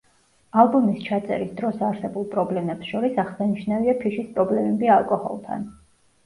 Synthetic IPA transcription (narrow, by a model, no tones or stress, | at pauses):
alˠbumist͡ʃʰat̪sʼɛ̰ɾisd̪ɾɔsaɾsɛbulˠpʼɾɔblɛmɛpsʃɔɾisaχsaniʃnaviapʰiʃispʼɾɔblɛmɛbialˠkʼɔhɔ̰lˠt̪ʰa̰n